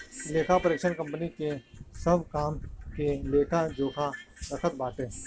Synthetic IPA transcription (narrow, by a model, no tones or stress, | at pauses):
leːkʰapəɾeːkʃənkə̃mpnikesəbkaːmkeleːkʰãd͡ʒoːkʰaɾəkʰət̪̚baːʈeː